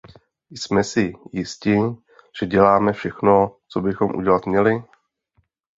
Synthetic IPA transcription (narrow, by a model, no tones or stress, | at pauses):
jsmɛsɪjɪscɪ | ʒ̥ɛɟɛlaːmɛfʃɛxno̞t͡sobɪxo̞mʔṵɟɛlat̪mɲɛlɪ